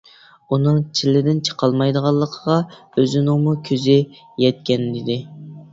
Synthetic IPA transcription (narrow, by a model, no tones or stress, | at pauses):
unɨŋt͡ʃʰilːɪd̪ɪnt͡ʃʰə̥qʰɑlˠmɑjd̪əʁɑlˠːəqʰəʁɑ | øzɪnɪŋmukʲʰøzɪ | jɛt̪̚kʲɛnɪd̪ɪ